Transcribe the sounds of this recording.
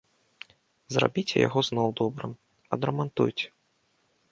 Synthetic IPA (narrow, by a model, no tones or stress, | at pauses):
zra̰bʲit͡sʲɛ̰ja̰ɣɔznɔwd̪ɔbɾɨ̰m | ɐd̪ɾɐmant̪ṵjt͡sʲɛ̥